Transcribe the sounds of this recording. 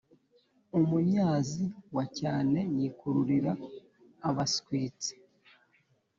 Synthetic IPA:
umumɲaːziwacaːne̞jiːkuɾuɾiɾaː | βasi̥kwiːt͡se̥

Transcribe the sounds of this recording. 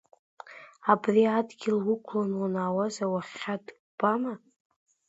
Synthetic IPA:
abriadɡʲɪlwʊkʷʰlanwanaːwazawaχʲad | b̥ama

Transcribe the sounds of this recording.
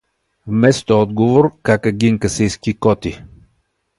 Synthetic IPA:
vmɛst̪oɔd̪ɡovoɾkakəɡʲiŋkəsijskikɔt̪i

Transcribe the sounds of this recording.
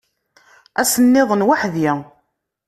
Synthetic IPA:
æsənːɪðˤənwaħðja

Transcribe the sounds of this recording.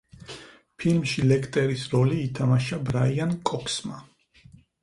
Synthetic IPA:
pʰilmʃilɛkʰt̪ʼɛɾisɾɔliːt̪ʰamaʃabɾaiankʼɔkʰsma

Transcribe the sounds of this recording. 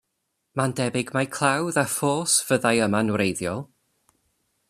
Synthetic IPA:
mandɛbɪɡmajkʰl̥ˠawðafoːsv̥əðajəmanuɾejðjɔlˠ

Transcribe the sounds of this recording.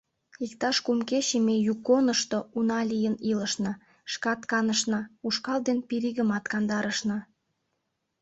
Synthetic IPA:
ikt̪ɑʃkumkeɕemejukːonəʃt̪ounɑlʲijəniləʃnɑ | ʃkɑt̪kɑnəʃnɑuʃkɑld̪enpiɾiɣəmɑt̪kɑnd̪ɑɾəʃnɑ

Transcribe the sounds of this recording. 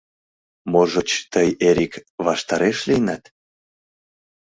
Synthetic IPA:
moʒot͡ɕt̪əjeɾʲikβɑʃt̪ɑɾeʃlijnæt̪

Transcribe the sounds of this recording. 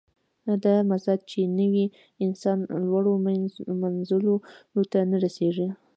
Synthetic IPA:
d̪amazad̪̚t͡ʃenəwi | ɪnsɑnlwaɽomanzəlolot̪anaɾaseʐi

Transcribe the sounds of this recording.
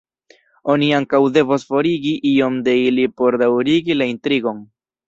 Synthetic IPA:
o̞niaŋkawde̞vosfo̞ɾiɡiʔio̞md̪e̞ilipo̞ɾd̪awɾiɡilaint̪ɾiɡo̞ŋ

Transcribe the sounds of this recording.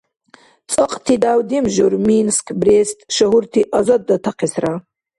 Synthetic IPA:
t͡sʼɔqʼt̪ʰid̪awd̪imʒuɾminskʰbrestʼʃɐɦurtʰiʔazad̪̚ːɐt̪ʰaqʰesra

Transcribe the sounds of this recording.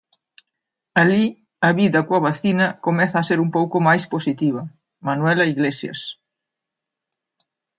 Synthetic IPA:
ali | aβiðɐkwaβaθinɐkomɛθaːseɾumpowkomajsposit̪iβɐ | manwɛlɐiɣlesja̰s

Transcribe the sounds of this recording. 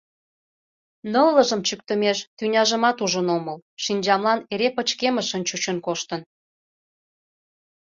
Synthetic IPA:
nəlːəʒəmt͡ɕyk̚t̪əmeʃt̪ynʲɑʒəmɑt̪uʒənoməlʃinʲd͡ʑɑmlɑneɾepət͡ɕkeməʃənt͡ɕut͡ɕənkoʃt̪ən

